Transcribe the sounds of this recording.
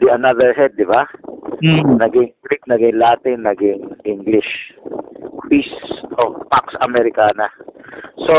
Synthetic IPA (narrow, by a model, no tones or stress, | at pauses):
d̪iɐnaðɛɹɦɛd̪̚ːɪba | nɐɡɪŋɡɾik̚nɐɡɪŋlaːt̪ɪnːɐɡɪŋʔɪŋɡlɪʃ | kɾisʔopaksɐmɛɾɪkaːnɐso